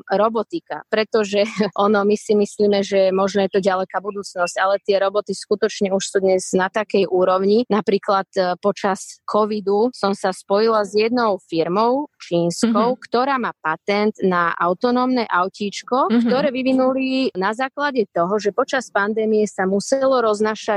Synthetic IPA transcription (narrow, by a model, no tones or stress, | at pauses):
ɾɔbɔt̪ika̰pɾɛt̪ɔʒɛʔɔnɔmisimisliːmɛʒɛmɔʒnɔjɛt̪ɔɟalɛkaːbud̪uːt͡snɔscalɛt̪ɪɛɾɔbɔt̪iskut̪ɔt͡ʃɲɛuʃsuːd̪ɲɛz̥nat̪akɛjʔuːɾɔʊɲinapɾiːklat̪pɔt͡ʃaskʰɔʋid̪usɔmsaspɔjilazjɛd̪nɔʊfiɾmɔʊt͡ʃiːnskɔʊkt̪ɔɾaːmaːpat̪ɛnd̪naʔa̰ʊt̪ɔnɔːmnɛʔaʊciːt͡ʃkɔkt̪ɔɾɛːʋiʋinulinazaːklaɟɛt̪ɔɦɔʒɛpɔt͡ʃaspand̪ɛːmijɛsamusɛlɔɾɔznaːʃac